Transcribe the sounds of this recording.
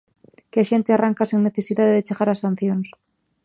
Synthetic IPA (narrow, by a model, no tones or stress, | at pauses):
keaʃent̪earaŋkaseŋne̞θesiðaðeðet͡ʃexaɾasan̟θjons